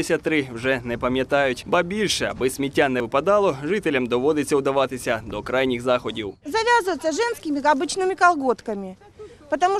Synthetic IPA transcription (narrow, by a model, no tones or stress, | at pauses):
sʲɐt̪ːɾɨvʐɛnɛpəmʲɪt̪ajʊtʲbɐbʲilʲʂɛɐ̰bɨsʲmʲɪtʲːanɛvɨpɐd̪alˠoʐɨtʲɪlʲɐmd̪ɔʋod̪ɪsʲɐʊd̪ɐʋat̪ɨsʲɐd̪ɔkɾajnʲɪxzaxɔdʲiwzɐvʲazɨvət̪sʲəʐɛnskʲɪmʲɪɐbɨt͡ɕnɨmʲɪkɐlˠɡo̞t̪kəmʲɪ | pət̪ɐmu